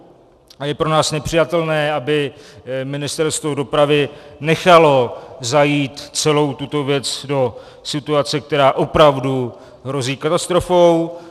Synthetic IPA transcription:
ajɛpɾo̞naːsnɛpr̝̥ɪjat̪ɛlnɛːʔabɪmɪnɪst̪ɛɾst̪vo̞do̞pɾavɪnɛxalo̞zajiːt̪t͡sɛlo̞wt̪ut̪o̞vjɛt͡sdo̞ | sɪt̪uat͡sɛk̚t̪ɛɾaːʔo̞pɾavdu | ɦɾo̞ziːkat̪ast̪ɾo̞fow

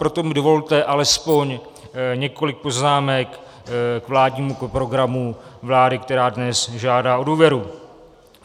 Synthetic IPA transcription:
pɾo̞t̪o̞mɪdovo̞lt̪ɛʔalɛspo̞ɲ | ɲɛko̞lɪk̚po̞znaːmɛk | kvlaːdɲiːmukpɾo̞ɡɾamuvlaːdɪk̚t̪ɛɾaːdnɛsʒaːdaːʔoduːvjɛɾu

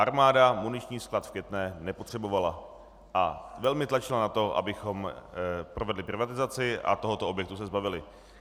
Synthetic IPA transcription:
ʔaɾmaːdamunɪt͡ʃɲiːsklat̪fkjɛt̪nɛːnɛpot̪r̥ɛbo̞vala | ʔavɛlmɪt̪lat͡ʃɪlanat̪o̞ʔa̰bɪxo̞mpɾovɛdlɪpɾɪvat̪ɪzat͡sɪʔa̰t̪o̞ɦo̞t̪oobjɛk̚t̪usɛzbavɪlɪ

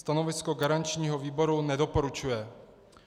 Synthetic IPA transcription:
t̪ano̞vɪsko̞ɡaɾant͡ʃɲiːɦo̞viːbo̞ɾunɛdo̞po̞ɾut͡ʃujɛ

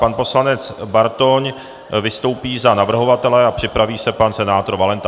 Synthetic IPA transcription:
panpo̞slanɛt͡sbaɾt̪oɲ | vɪst̪o̞wpiːzanavr̩ɦo̞vat̪ɛlɛapr̝̥ɪpɾaviːsɛpansɛnaːt̪oɾvalɛnt̪a

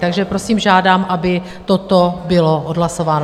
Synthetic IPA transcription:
t̪aɡʒɛpɾo̞siːmʒaːdaːmʔabɪ | t̪o̞t̪obɪlo̞ʔodlaso̞vaːno

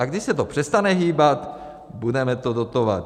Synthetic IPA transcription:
aɡdɪʃsɛt̪opr̥ɛst̪anɛɦiːbat̪ | budɛmɛt̪odot̪ova̰t̪

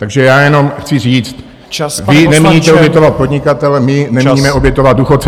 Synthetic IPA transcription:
t̪aɡʒɛjaːjɛnomxt͡sɪziːt͡st̪ | vɪnɛmɲit̪ɛobjɛt̪ovat̪̚po̞d̪ɲɪkat̪ɛlɛmɪnɛmɲimɛʔo̞bjɛt̪ovad̪̚duxot̪t͡s

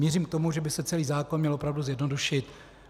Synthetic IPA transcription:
jɛriːmkt̪o̞muʒɛbɪsɛt͡sɛliːzaːko̞nmɲɛlʔo̞pɾavduzjɛdno̞duʃɪt̪

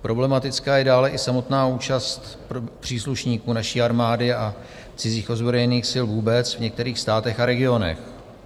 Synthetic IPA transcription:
pɾʔo̞blɛmat̪ɪt͡skaːjɛdaːlɛʔɪsamo̞t̪naːuːt͡ʃast̪ppr̝̥iːsluʃɲiːkuːnaʃiːaɾmaːdɪa | t͡sɪziːxo̞zbɾojɛniːxsɪlvuːbɛt͡svɲɛk̚t̪ɛɾiːxst̪aːt̪ɛxaɾɛɡɪo̞nɛ̰x

